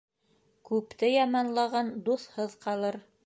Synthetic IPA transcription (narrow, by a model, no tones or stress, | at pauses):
kʉpt̪ɘjɑmɑnlˠɑʁɑnd̪uθhɤðqɑlˠɤɾ